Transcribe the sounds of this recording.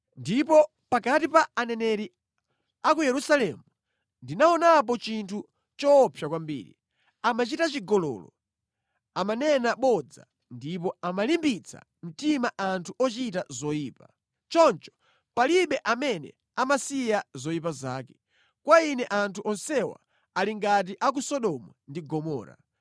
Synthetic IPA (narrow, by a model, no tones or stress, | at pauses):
ndipɔ | pakatipaːnɛnɛɾi | ak̬ujɛɾusalɛmu | ndinaɔnap̬ɔt͡ʃintʰu | t͡ʃɔpʰjakwambḭːɾḭ | amat͡ʃitat͡ʃiɡɔlɔ̰ːlɔ̰ | amanɛnaɓɔd͡za̰ | ndip̬ɔamalimbit͡sʰa̰ | m̩timaʔantʰuʔɔt͡ʃitazɔjiːpa | t͡ʃɔnt͡ʃɔ̥ | paliɓɛʔamɛnɛ̰ | amasijazɔipaza̰ːkɛ̥ | kwainɛʔantʰuʔɔnsɛwa̰ː | liŋɡat̬iʔak̬usɔɗɔmwundiɡɔmɔ̰ːɾa̰